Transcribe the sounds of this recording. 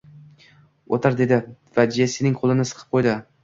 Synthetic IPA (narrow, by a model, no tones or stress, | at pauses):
ot̪ʰaɾd̪e̞d̪ɪ | vad͡ʒijasenɪŋqʰolˠɪnɪsɨ̥qʰɨ̥p̚qʰojd̪ɪ